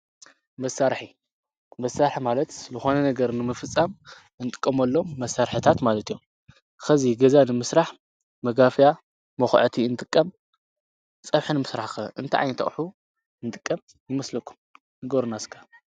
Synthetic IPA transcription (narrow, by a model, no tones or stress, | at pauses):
mɐsaɾħi | mɐsːaɾħimalɐt̪zɨxo̞nɐnɐɡɐɾnɨmɨfɨt͡sʼːam | ɨnt̪ʼɨkʼːɐmɐlːo̞mːɐsːaɾħɨt̪ʰat̪malɐt̪ʰijom | xɐziɡɐzanɨmɨsɾaħ | mɐɡafja | mɐxʕt̪ʰiɨnt̪ʼɨkʼːɐm | t͡sʼɐβħɨnɨmɨsɾaħxʔɨnt̪ʰa̰ʕa̰jnt̪ʰɐ̰χʼħu | ɨnt̪ʼɨkʼːɐm | jɪmɐslɐkʰːu̥m | nɨɡoɾnaskʰḁ